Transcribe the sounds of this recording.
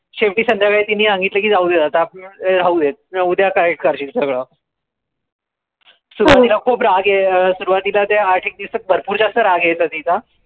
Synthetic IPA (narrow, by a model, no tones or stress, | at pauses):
ɕefʈiːsənd̪ʱjaɡait̪inːiːsãŋɡit̪ləkiːd͡zauːd̪et̪at̪apɾauːd̪et̪̚ud̪ʱjakəɾek̚ʈkəɾt͡ɕiːt̪səɡɭə | suɾuʋat̪ilakʰuːpɾaɡesuɾuʋat̪ilat̪eaɾʈʰiːk̚d̪isək̪̚bʱəɾpuːɾt͡ɕasəɾaɡjajt͡sat̪it͡sa